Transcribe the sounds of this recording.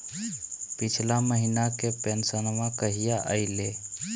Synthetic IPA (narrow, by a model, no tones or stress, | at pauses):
pit͡ʃʰlaməɦinakepensənʋakəɦijaʔəɪle